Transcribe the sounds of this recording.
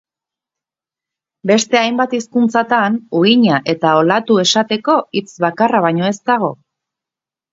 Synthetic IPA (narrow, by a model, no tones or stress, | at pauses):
be̞st̪e̞ajmbat̪iskunt͡sat̪anuiɲaʔe̞t̪ao̞lat̪ue̞sat̪e̞ko̞it͡sβakaraβ̞aɲo̞e̞st̪aɣ̞o̞̰